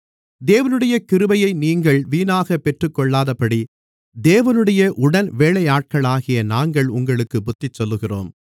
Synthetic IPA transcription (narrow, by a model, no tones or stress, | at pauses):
d̪eːʋɐnɯɽɐjɐkɪɾɯʋɐjɐɪniːŋɡɐɭʋiːnaːɣɐpːɛʈrɯkːɔɭːaːðɐpːɐɽi | d̪eːʋɐnɯɽɐjɐʔʊɽɐnʋeːɭɐjaːʈ̚kɐɭaːɣɪjɐnaːŋɡɐɭʊŋɡɐɭɯkːɯbʊt̪ːɪt͡ʃːɔlːɯɣɪro̰ːm